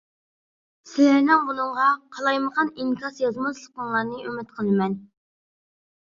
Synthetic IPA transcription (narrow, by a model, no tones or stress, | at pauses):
sɪlæɾnɪŋbunɨŋʁɑqʰɑlˠɑjməʁɑniŋkʲʰɑsjɑzmɑslˠəq̪̚əŋlˠɑɾnɨømɪt̪̚qʰəlˠɨmɛn